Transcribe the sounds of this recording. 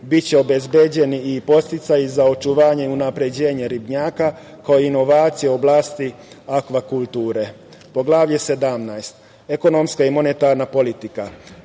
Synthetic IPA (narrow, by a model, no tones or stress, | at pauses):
bit̪t͡ɕeo̞bezbe̞d͡ʑe̞niipo̞st̪it̪sajizao̞t͡ʃuʋaːɲe̞iunapɾe̞d͡ʑe̞ːɲe̞ɾibɲaːka | kaoino̞ʋaːt̪sijeoblˠaːst̪i | akʋakulˠt̪uːɾe̞ | po̞ɡlˠaːʋʎese̞d̪amnajst̪ | e̞ko̞no̞mskaimo̞net̪aːɾnapo̞lit̪ika